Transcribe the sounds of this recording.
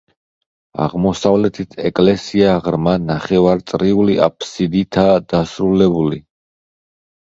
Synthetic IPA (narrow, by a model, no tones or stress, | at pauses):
a̰ʁmɔsavlɛt̪ʰit̪ʰɛkʼlɛsiaʁɾmanaχɛvaɾt̪sʼɾiuliʔa̰pʰsid̪it̪ʰad̪̥asɾulɛbuli